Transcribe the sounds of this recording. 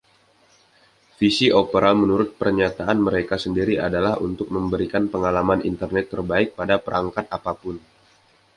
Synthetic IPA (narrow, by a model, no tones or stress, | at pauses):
fisiʔopəɾamənuɾʊt̪̚pərɲat̪aʔanməɾekasəndiɾiʔadalahunt̪ʊk̚məmbəɾikanpəŋalamanḭnt̪ərnɛt̪ːərbaɪk̚padapəɾʔaŋkat̪apapʊn